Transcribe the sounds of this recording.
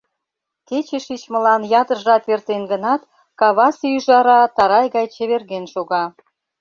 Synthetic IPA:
ket͡ɕeʃit͡ɕmə̆lɑnjɑt̪əʒɑt̪ert̪enɡənɑt̪ | kɑβɑsyʒɑɾɑt̪ɑɾɑjɣɑjt͡ɕə̆βerɣenʃoɣɑ

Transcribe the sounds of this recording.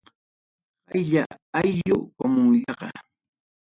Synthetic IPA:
hajʎaajʎʊkamʊŋʎɑqɑ̰

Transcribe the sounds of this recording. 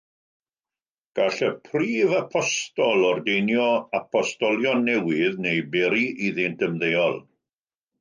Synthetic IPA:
ɡ̥aɬəpʰriːvapʰɔstɔlˠɔrdejnjɔapʰɔstɔlˠjɔnːɛwɪðnejbɛɾiʔiðɪntəmðejɔlˠ

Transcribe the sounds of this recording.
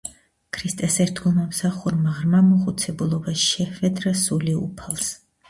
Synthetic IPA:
kʰɾist̪ʼɛsɛɾt̪ʰɡulˠmamsaχuɾmaʁɾmamuχut̪sʰɛbulˠɔbaʃʃɛhvɛd̪ɾasuliṵpʰalˠs

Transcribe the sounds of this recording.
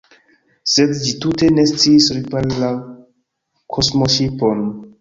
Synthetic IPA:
sedd͡ʒitute̞ne̞st͡siːsɾipanla | kʰosmoʃipon

